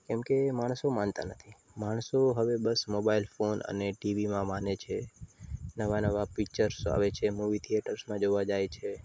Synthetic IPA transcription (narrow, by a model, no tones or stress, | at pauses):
kɛmkemaɳ̃somant̪a̰nət̪ʰi | maɽ̃soɦəʋebəsmobailfonə̰neʈiʋimãmanet͡ʃʰe | nəʋanəʋapikt͡ʃəɾsa̰ʋet͡ʃʰemuʋit̪ʰieʈəɾsmãd͡ʒoʋad͡ʒajt͡ʃʰe